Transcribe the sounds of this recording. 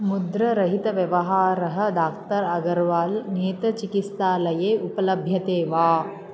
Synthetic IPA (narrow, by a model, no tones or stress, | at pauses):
mud̪ɾɐɾɐɦit̪ɐʋjɐʋɐɦaːɾɐɦɐ̆d̪aːk̚t̪ɐɾɐɡɐɾʋaːlneːt̪ɐt͡ʃikit̪st̪aːlɐjeːupɐlɐbʱjɐt̪eːʋaː